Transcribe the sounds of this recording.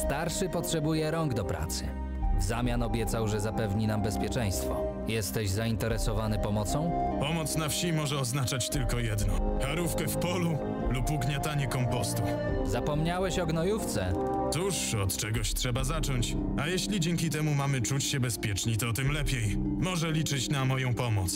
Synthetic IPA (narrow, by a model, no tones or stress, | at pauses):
st̪aɾʂɘpɔtʂɛbujɛɾɔŋɡd̪ɔpɾʔa̰t̪sɘ̥̰ | zamʲjanɔbʲjɛt̪sawʐɛzapɛvɲinambɛspʲjɛt͡ʂɛj̃st̪fɔ̰ | jɛst̪ɛʑzaint̪ɛɾɛsɔvanɘpɔmɔt̪sɔ̃w̃pɔmɔt̪snafɕimɔʐɛɔznat͡ʂat͡ɕt̪ɘlkɔjɛd̪nɔxaɾufkɛfpɔlu | lupuɡɲat̪aɲɛkɔmpɔst̪u | zapɔmɲawɛɕɔɡnɔjuft̪sɛ | t̪uʂɔt̪t͡ʂɛɡɔɕtʂɛbazat͡ʂɔɲt͡ɕ | ajɛɕlʲid͡ʑɛŋkʲit̪ɛmumamɘt͡ʂut͡ɕɕɛbɛspʲjɛt͡ʂɲit̪ɔt̪ɘmlɛpʲjej | mɔʐɛlʲit͡ʂɘt͡ɕnamɔjɔ̃w̃pɔmɔt̪s